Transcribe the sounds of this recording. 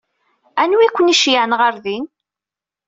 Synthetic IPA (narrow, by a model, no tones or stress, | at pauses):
ænwikʷːəniʃjaʕnʁəɾðin